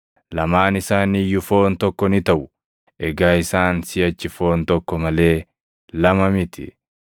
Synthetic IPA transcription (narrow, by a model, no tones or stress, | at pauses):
lɐmaːnɪsaːnijʊfo̞ːnt̪ɔkːɔnɪt̪ɐʔʊ | ʔɛɡaːɪsaːnsɪɐt͡ʃːɪfo̞ːnt̪ɔkːɔmɐle̞ː | lɐmɐmɪt̪ʰɪ̰